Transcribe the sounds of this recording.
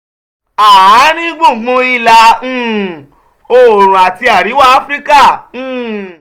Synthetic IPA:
a˨a˨˦nĩ˦ɡ͡bũ˦˨ɡ͡bũ˧i˦˨lã˧˨ | o˨ɾ̃ũ˨a˨ti˧a˨ɾi˨˦wa˦a˦fɾi˦kã˦˨˦

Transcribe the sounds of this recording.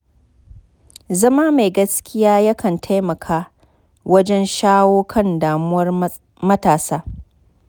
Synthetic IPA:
zɐ˦maː˦ma˨ɡɐ˦skʲɪ˦jaː˦jɐ˦kʰɐ˨ntʰa˦jmɐ˨kʰaː˦ | wɐ˦d͡ʒɛ˦nʃaː˦woː˦kʰɐ˦˨ndaː˨mʊ˦wɐ˦r | mɐ˦taː˨saː˦

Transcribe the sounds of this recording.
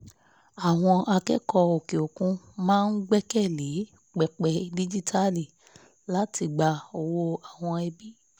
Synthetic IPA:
a˨w̃ɔ̃˧ʔa˧kɛ˦kɔ˧o˨ke˨o˨kũ˧˦ | mãː˦n̩˦ɡ͡bɛ˦kɛ˦˨le˨˦ | k͡pɛ˨k͡pɛ˧di˦d͡ʒi˦tʰa˦li˦˨ | la˦ti˧ɡ͡ba˧o˨wo˧a˨w̃ɔ̃˧ɛ˧bi˦

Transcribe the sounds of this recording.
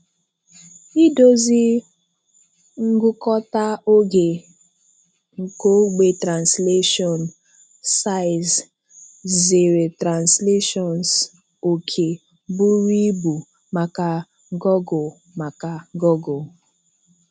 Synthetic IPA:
i˦do˦zi˦ | ŋ̩˦ɡʊ˦kɔ˦ta˦o˦ɡe˨ | ŋ̩˨ko˦ɡ͡be˨tɾa˨nsle˦ʃɔ˨n | sa˦ɪ˨z | ze˨ɾe˨tɾa˨nsle˦ʃɔ˨ns | o˨kʰe˨ | bʊ˦ɾi˦bu˨ | ma˨ka˨ | ɡɔ˦ɡʊ˨ | ma˨ka˨ɡɔ˦ɡo˨

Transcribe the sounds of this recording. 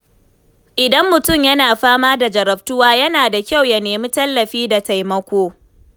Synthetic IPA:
ʔɪ˨dɐ˦mːʊ˨tʊ˦˨mjɐ˦naː˨ɸaː˦maː˦da˨d͡ʒɐ˨ɾɐ˨ɸtʊ˦waː˦jɐ˦naː˨da˨kʲa˦˨wja˨neː˨miː˦tɐ˦lːɐ˨ɸiː˦da˨ta˨jmɐ˦kʷoː˦

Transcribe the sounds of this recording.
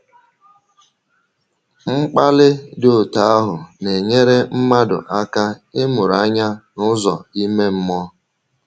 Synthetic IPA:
ŋ͡m̩˦k͡pa˦lɪ˦do˦˨ta˨a˦ɦʊ˨ne˨ɲe˦ɾe˦m̩˦ma˦dʊ̰˨ʔa˦ka˦ɪ˦mʊ˨ɾa˦ɲa˦nʊ˦zɔ̰˨i˦me˦m̩˦mɔ˦

